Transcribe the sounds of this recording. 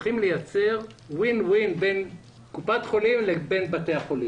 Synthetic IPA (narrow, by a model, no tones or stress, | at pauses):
χimlejat͡se̞ʁwinwinben | kupat̪χo̞limlebe̞nbate̞aχoli